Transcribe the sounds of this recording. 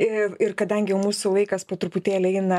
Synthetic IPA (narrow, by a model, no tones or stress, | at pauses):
ɪɪrkɐd̪ɐŋʲɡʲɪjɛʊmuːsʊʋˠɐɪkɐspoːt̪ɾʊpʊt̪ʲeːlʲɪɛɪnɐ